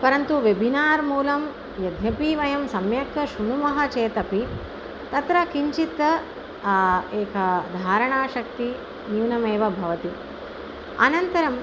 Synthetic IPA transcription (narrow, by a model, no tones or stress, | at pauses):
pɐɾɐnt̪uʋebʱinaːɾmuːlɐm | jɐd̪ʱjɐpiːʋɐjɐmsɐmjɐkɐʃuɳumɐɦɐ̆t͡ʃeːt̪ɐpi | t̪ɐt̪ɾɐkiɲt͡ʃit̪ɐ | eːkʰɐd̪ʱaːɾɐɳaːʃɐkt̪i | njuːnɐmeːʋɐbʱɐʋɐt̪i | ɐ̰nɐnt̪ɐɾɐm